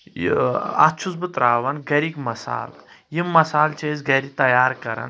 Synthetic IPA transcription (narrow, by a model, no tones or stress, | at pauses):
ɐ̰t͡ʃʰuzbɨt̪ɾaːʋɐnɡɐɾikmɐsa̰ːljimːɐsaːlt͡ʃʰezɡɐɾit̪ɐjaːɾkɐɾɐ̰n